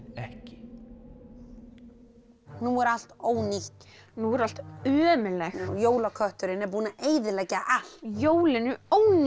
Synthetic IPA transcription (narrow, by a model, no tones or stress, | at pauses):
ɛhcɪ̥ | nuɛɾal̥t̪oːwniht̪ | nuːɣɛɾal̥t̪œːmɪlɛxjoːwlakʰœht̪ʏɾɪnɛɾp̬uːnaʔeːjðɪlɛːcaal̥joːwlɪnʏoːwn